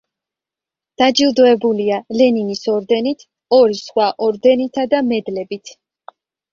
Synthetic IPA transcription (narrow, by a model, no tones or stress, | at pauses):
d̪̥ad͡ʒilˠd̪ɔɛbulialɛninisɔɾd̪ɛnit̪ʰ | ɔɾisχwaʔɔɾd̪ɛnit̪ʰad̪amɛd̪lɛbit̪ʰ